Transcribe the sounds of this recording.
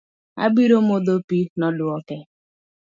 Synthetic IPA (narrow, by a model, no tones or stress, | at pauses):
a̰biɾomodopinɔdʊɔkɛ